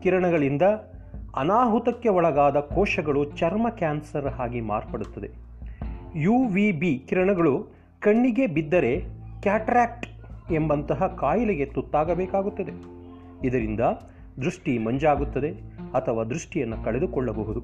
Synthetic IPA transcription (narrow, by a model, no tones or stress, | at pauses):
kiɾɐɳɐɡɐɭind̪ɐ | ɐ̰naːɦut̪ɐkːeɔɭɐɡaːd̪ɐkɔːʃɐɡɐɭut͡ʃɐɾmɐkʲaːnsɐɾɦaːɡima̰ːɾpɐɽut̪ːɐd̪e̞ | juʋibikiɾɐɳɐɡɐɭu | kɐɳːiɡebid̪ːɐɾe̞kaːʈɾaːk̚ʈ | e̞mbɐnt̪ɐɦɐkaːjɐleɡe̞t̪ut̪ːaːɡɐbɛːkaːɡut̪ːɐd̪e̞ | id̪ɐɾind̪ɐ | d̪ɾuʂʈimɐɲd͡ʒaːɡut̪ːɐd̪eɐt̪ʰɐʋaːd̪ɾuʂʈijɐnːukɐɭed̪ukɔɭːɐbɐɦud̪u